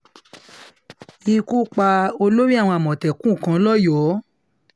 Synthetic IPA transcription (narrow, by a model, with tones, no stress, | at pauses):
i˧ku˦k͡pa˧o˧lo˦ɾi˦a˦˨w̃ɔ̃˧a˨mɔ̃˨tɛ˨kũ˦˨kã˨˦lɔ˦jɔ˨˦